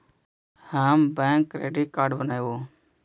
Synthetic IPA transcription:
hambɛ̃ːŋkːɾḛːɖiʈ̚kaːɾɖbənaːjʋoː

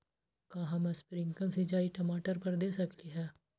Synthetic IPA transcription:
kãːɦãːmɛ̃ːspɾɪŋkə̃nsid͡ʒaːiːʈəmaːʈəɾpəɾd̪eːsəkliːɦɛː

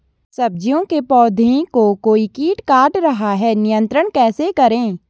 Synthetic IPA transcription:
sɐb̚d͡ʒijõkepɔːd̪ʱẽkokoːikiːʈkaːʈɾɐɦaɦɛːnɪjə̃nt̪ɾəɽ̃kɛːsekɐɾẽː

